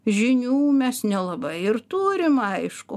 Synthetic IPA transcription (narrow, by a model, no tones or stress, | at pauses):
ʒʲɪnʲuːmʲɛsnʲɛlˠɐbɐɪɪrt̪uːɾʲɪmɐɪʃkʊ